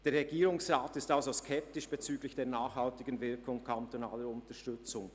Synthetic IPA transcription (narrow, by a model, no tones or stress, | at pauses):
d̥eːɐɾʁɛɡiːʁʊŋsʁaːtɪstalzoskʰɛp̚tɪʃb̥et͡syːɡlɪçd̥eːɐnaːχhaltɪɡənvɪɐkʰʊŋkʰantonaːləɾʊntəʃtʏt͡sʊŋ